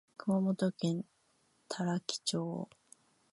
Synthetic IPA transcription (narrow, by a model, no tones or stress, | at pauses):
kɯ̟mamot̪okẽ̞n | t̪ʰaɾakʲi̥t͡ɕoː